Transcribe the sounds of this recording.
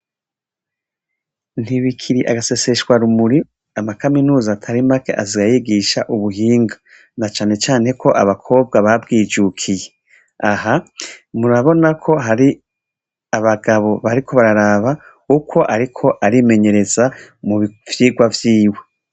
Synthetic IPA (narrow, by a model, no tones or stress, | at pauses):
n̥iβikʰiɾiʔaɡase̞se̞ʃɡwaɾumuɾi | amakaminuːzaːtʰaɾimake̞ʔaziɡajiɡiʃaʔuβuɦiːŋɡa | nat͡ʃaːne̞t͡ʃaːne̞kʰo̞ʔaβakʰo̞ːb̚ɡaβabɡiːd͡ʒukʰije̞ | ahamuɾaβo̞nakʰo̞ɦaɾi | aβaɡaβo̞βaɾikʰo̞βaɾaɾaβa | ukʰo̞ʔaɾikʰo̞ʔaɾime̞ɲe̞ɾe̞zamuv̥jiːɡwavjiːwe